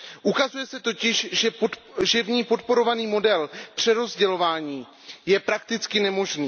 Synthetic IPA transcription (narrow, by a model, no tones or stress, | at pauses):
ʔukazujɛsɛt̪o̞cɪʃʒɛʒɛvɲiːpo̞t̪̚po̞ɾo̞vaniːmo̞dɛlpr̝̥ɛɾo̞zɟɛlo̞vaːɲiː | jɛpɾak̚t̪ɪt͡skɪnɛmo̞ʒniː